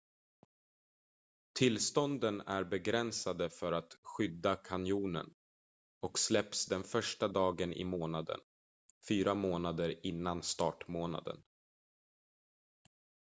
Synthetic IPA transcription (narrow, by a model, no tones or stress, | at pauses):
t̪ʰɪlst̪ɔnd̪ənæɾbɛɡɾɛnsad̪əfœɾat̪ɧʏd̪ːakʰanjuːnə̰n | ɔkslɛpsd̪ɛnfœʂʈad̪ɑːɡənʔɪ̰moːnad̪ə̰n | fyːɾamoːnad̪əɾɪnːanst̪ɑːʈmoːna̰d̪ə̰n